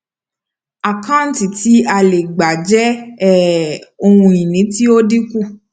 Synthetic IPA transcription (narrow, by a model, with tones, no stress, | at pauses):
a˨kã˦n˦ti˨ti˨˦a˧le˨ɡ͡ba˨d͡ʒɛ˦ɛ˦˨o˧hũ˧i˨nĩ˨˦ti˦o˦di˦ku˦˨